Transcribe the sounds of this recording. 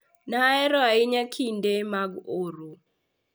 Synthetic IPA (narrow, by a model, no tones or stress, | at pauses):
naɛɾɔaɪɲakʰindemaɡoɾo